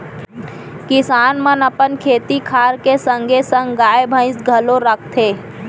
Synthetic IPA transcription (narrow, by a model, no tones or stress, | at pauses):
kɪsaːnmənəpənkʰeːt̪ikʰaːɾkesə̃ŋɡʱesə̃ŋɡɡaːjbʱə̃ɪ̃sɡʱɐloɾək̚ʰt̪ʰeː